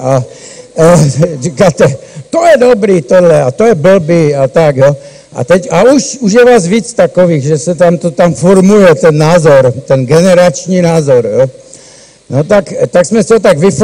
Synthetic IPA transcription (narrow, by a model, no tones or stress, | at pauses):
a | t͡ʃɛkat̪ɛt̪ɔjɛd̪ɔbɾiːt̪ɔdlɛat̪ɔjɛbl̩biːat̪aɡjɔ | a̰t̪ɛɟauʃuʒjɛʋaːzʋit͡st̪akɔʋiːɣʒɛsat̪amt̪ɔt̪amfɔɾmujɛt̪ɛnːaːzɔɾt̪ɛnɡɛnɛɾat͡ʃniːnaːzɔɾɛ | nɔt̪akt̪aɡsmɛsiɔt̪aɡʋif